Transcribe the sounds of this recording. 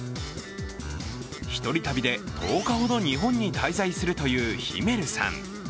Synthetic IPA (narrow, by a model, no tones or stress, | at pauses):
çi̥t̪o̞ɾʲit̪abʲid̪e̞t̪ʰo̞ːkaho̞d̪o̞ɲ̟iɦõ̞ɲ̟ːit̪aizaisɨɾɯ̟t̪o̞jɯ̟ːçḭme̞ɾɯ̟sã̰ŋ